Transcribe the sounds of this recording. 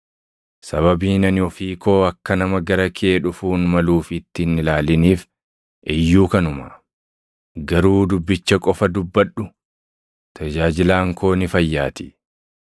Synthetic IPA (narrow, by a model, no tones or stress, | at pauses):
sɐβɐbiːnɐnɔfiːko̞ːɐkːɐnɐmɐɡɐɾɐkʰɪeːᶑʊfuːnmɐluːfɪt̪ːɪnːɪlaːlɪniːf | ʔɛjːuːkɐnʊmɐ | ɡɐɾuːd̪ʊbːɪt͡ʃːɐkʼɔfɐd̪ʊbːɐᶑːʊ | t̪ʰɐd͡ʒaːd͡ʒɪlaːŋko̞ːnɪfɐjːaːt̪ɪ̥